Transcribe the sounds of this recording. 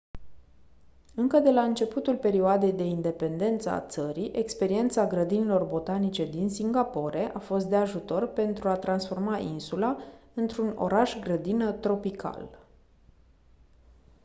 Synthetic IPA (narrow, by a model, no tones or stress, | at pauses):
ɨŋkəd̪e̞laɨnt͡ʃe̞put̪ulpe̞ɾioad̪e̞jd̪e̞ind̪e̞pe̞nd̪e̞nt̪səa̰t̪səɾiʔe̞kspe̞ɾie̞nt̪saɡɾəd̪inilo̞rbo̞t̪anit͡ʃe̞d̪insiŋɡapo̞ɾe̞ʔafo̞s̬t̪d̪e̞aʒut̪o̞rpe̞nt̪ɾuat̪ɾansfo̞rmaʔinsulaɨnt̪ɾuno̞̰ɾaʃɡɾəd̪inət̪ɾo̞pikʰa̰l